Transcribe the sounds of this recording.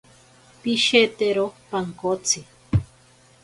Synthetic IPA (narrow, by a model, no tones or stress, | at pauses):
piʃet̪eɾopaŋkot͡sʰi